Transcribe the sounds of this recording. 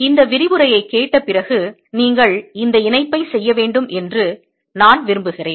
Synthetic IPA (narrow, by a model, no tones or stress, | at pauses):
ɪnd̪ɐʋɪɾɪʋɯɾɐjɐɪkːeːʈːɐpːɪrɐɣɯ | niːŋɡɐɭɪnd̪ɐɪnɐɪpːɐɪsɛjːɐʋeːɳɖɯmʔɛndrɯ | naːnʋɪɾɯmbɯɣɪreːn